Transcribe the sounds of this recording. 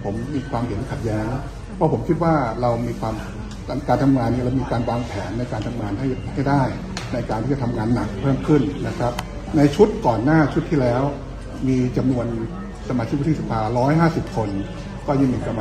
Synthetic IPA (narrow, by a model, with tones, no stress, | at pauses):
pʰo˩˦mːiː˧kʰwaː˧mhe˩˦n˧kʰa˨˩t̪̚jɛː˦˥ŋ | pʰɔ˦˥pʰo˩˦mkʰi˦˥t̪̚waː˥˩ɾa˧wmiː˧kʰwaː˧m˧ | kaː˧nt̪ʰa˧mŋaː˧nːi˥˩ɾa˧wmiː˧kaː˧nwaː˧ŋpʰɛː˩˦nːa˧jkaː˧nt̪ʰa˧mŋaː˧nɦa˥˩jha˥˩jdaː˥˩j | na˧jkaː˧nt̪ʰiː˥˩t͡ɕa˨˩t̪ʰa˧mŋaː˧nːa˨˩k̚pʰɤː˥˩mkʰɯ˥˩nna˦˥kʰɾa˦˥p̚ | na˧jt͡ɕʰu˦˥t̪̚kɔː˨˩nːaː˥˩t͡ɕʰu˦˥t̪ʰːiː˥˩lɛː˦˥w | miː˧t͡ɕa˧mnu˧ən | sa˧maː˧t͡ɕʰi˦˥k̚wt̪ʰi˥˩sa˧pʰaː˧ɾɔː˦˥jɦaː˥˩si˨˩p̚kʰo˧n | kɔː˥˩ɲa˧˩ŋmiː˧ka˧m